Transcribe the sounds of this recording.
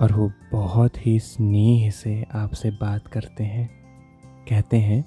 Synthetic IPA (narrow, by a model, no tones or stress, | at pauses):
ɔːɾʋobɐɦʊt̪ɦisniiɦɪseaːpsebaːt̪kɐɾt̪eɦɛ̃ | kɛɦt̪eɦɛ̃ː